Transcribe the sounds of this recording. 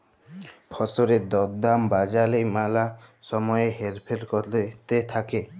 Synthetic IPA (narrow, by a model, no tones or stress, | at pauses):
pʰɔsoɾed̪ɔd̪ambad͡ʒalejmalasɔmɔjeɦeɾpʰeɾkɔt̪et̪ʰake